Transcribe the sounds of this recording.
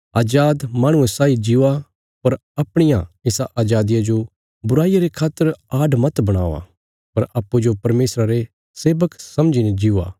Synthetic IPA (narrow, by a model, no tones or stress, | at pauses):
aːd͡ʒaːd̪mãːɽ̃ʊ̃ẽsaːid͡ʒɪua | pɐɾɐpɽ̃ɪjã̰ɪsaʔaːd͡ʒaːd̪ɪjad͡ʒo | bʊɾaːijaɾekʰaːt̪ːəɾaːɖmɐt̪bɐɽ̃a̰ːʋa̰ | pɐɾɐpːud͡ʒopɐɾmeːsɾaɾe | seːbəksɐmd͡ʒined͡ʒia̰ː